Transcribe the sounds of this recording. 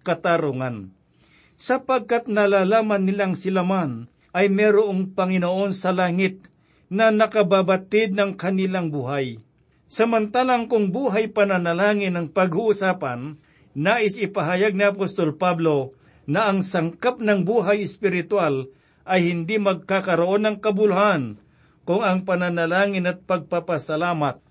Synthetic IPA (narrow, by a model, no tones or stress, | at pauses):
kɐt̪aɾoŋan | sɐpaɡ̚kat̪̚nɐlaːlaːmanːɪlaŋsɪlaman | ʔɐjmɛːɾoʔoŋpɐŋɪnoʔo̞nsɐlaːŋɪt̪̚ | nɐnɐkɐbabat̪ɪd̪̚nɐŋkɐnɪlaŋbuːɦaj | sɐmɐnt̪aːlaŋkʊŋbuːɦajpɐnɐnɐlaːŋɪnɐŋpɐɡʊʔʊsaːpanː | aːʔɪsɪpɐɦajaɡ̚niɐpost̪olpablo̞ | nɐʔɐŋsɐŋkap̚nɐŋbuːɦajɪspɪɾɪt̪wal | ʔɐjhɪnd̪imɐɡ̚kakɐɾoʔo̞nːɐŋkɐbʊlhan | kʊŋɐŋpɐnɐnɐlaːŋɪnɐt̪̚pɐɡ̚papɐsɐlaːmat̪̚